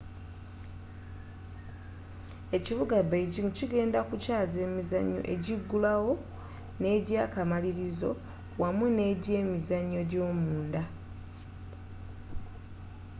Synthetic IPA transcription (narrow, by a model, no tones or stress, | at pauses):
e̞ciβuɡabejɟimuciɡe̞ːndakucaːze̞ːmizaɲːo̞̰ʔe̞ɟiɡːulawo̞ | ne̞ːɟaːkamaliɾizo̞ | wamune̞ːɟeːmizaɲːo̞ɟo̞ːmuːnda